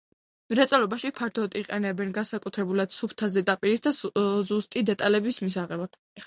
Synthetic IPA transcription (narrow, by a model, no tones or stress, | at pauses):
ɾɛt̪sʼɔlɔbaʃipʰaɾt̪ʰɔd̪iqʼɛnɛbɛnɡansakʼut̪ʰɾɛbulad̪̥supʰt̪ʰazɛd̪apʼiɾisd̪azust̪ʼid̪ɛt̪ʼalɛbismisaʁɛbḁ